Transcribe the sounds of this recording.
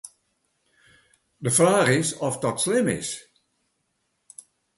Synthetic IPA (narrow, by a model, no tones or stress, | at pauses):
dəfraːχɪsɔfdɔtslɪmɪ̰s